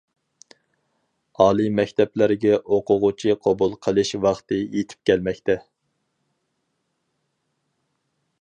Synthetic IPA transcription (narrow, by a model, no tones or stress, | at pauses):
ɑːlˠɨmɛkʲt̪ʰɛplɪɾɡʲɛʔoqʰʊʁʊt͡ʃʰiqʰɑbulˠqʰəlˠɨʃwɑχt̪ɨjet̪ʰɪ̥p̚kʲʰɛlmɛkʲt̪ʰɛ